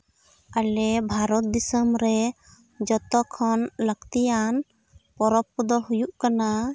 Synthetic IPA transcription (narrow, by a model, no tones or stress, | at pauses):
alɛbʱaɾɔt̪̚d̪isəmɾɛ | d͡ʒɔt̪ɔkʰɔnləɡt̪ijan | pɔɾɔp̚ːɔd̪ɔɦujuʔkana